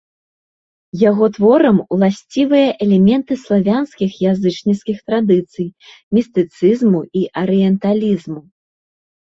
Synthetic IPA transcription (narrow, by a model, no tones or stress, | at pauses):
jaɣɔt̪vɔɾɐmulˠasʲt͡sʲivɨjɐʔɛlʲɛmʲɛnt̪ɨslˠavʲanskʲixjazɨt͡ʂnʲiskʲixt̪ɾad̪ɨt̪sɨj | mʲist̪ɨt̪sɨzmuiʔɐɾɨjɛnt̪alʲizmu